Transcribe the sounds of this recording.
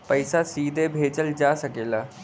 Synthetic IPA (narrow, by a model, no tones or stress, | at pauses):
pəɪsasiːd̪ʱebʱeːd͡ʒəld͡ʒaːsəkeːlaː